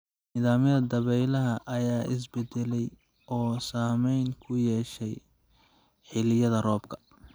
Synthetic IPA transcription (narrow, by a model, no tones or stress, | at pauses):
niːðaːmjɐðɐd̪ɐβɛjlɐɦɐʔɐjaːʔɪs̬bɛd̪ɛlɛj | ɔːsaːmɛjŋkʰʊjɛːʃɛj | ħɪlɪjɐðɐrɔːb̚kʰɐ̥